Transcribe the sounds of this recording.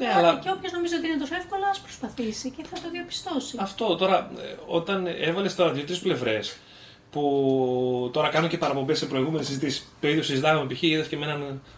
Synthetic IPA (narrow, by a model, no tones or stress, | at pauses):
ɐlɐceopçozno̞mizooiinet̪osoefko̞lɐɐspɾospɐθisiceθɐt̪oðiɐpi̥st̪o̞siɐft̪o̞t̪o̞ɾɐo̞t̪ɐne̞vɐlest̪oɾɐðjot̪ɾisple̞vɾe̞s | pu | t̪o̞ɾɐkɐnoce̞pɐɾɐpombesːe̞pɾo̞iɣume̞nesizit̪isi̥speɾiosizit̪ɐxɐmepiçiit̪ɐsceme̞nɐn